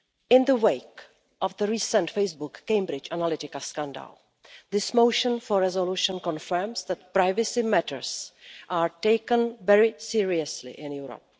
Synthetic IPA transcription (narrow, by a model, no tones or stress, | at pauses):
ʔɪ̃nðəweɪk | ʔɔvðəɹiːsə̃ntfejsbʊkːẽj̃mbɾɪt͡ʃanalɪt̪ɪkaskãnda̰l | ðɪsmowʃə̃nfɔɹɛzoluʃə̃nkɔ̃nfə˞msðɛt̪̚pɾajvəsɪmɛtʰə̰ɹsʔaːɹteɪkə̃nvɛɹɪsiɹiəslɪ̰ʔɪ̃njuːɾo̰p̚